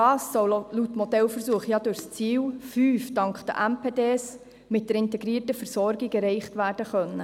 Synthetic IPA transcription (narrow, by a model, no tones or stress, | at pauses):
ɑːsːɔwlutːmɔdɛlfəɾsuəχjɑdʊɾst͡siːwfyːfd̥ɑŋkχd̥̪ə̰ʔæmpʰeːdeːs | mɪt̚d̥ɛɾɪntɛɡɾiːərtəfəɾsɔɾɡikɛɾɛɪχtʋæːɾd̥əχœnːə